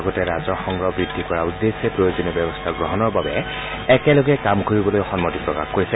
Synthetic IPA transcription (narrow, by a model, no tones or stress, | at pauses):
ɡɔtɛɹazɔxɔŋɡɹɔbɹidʱːikɔɹaudːesepɹojozɔnɔbjɛbɔstʰaɡɹɔɦɔnɔɹbabɛ̰ | ɛkɛlɔɡɛkamkoɹibɔlojɔxɔnmotipɹɔka̰xkoɹisɛ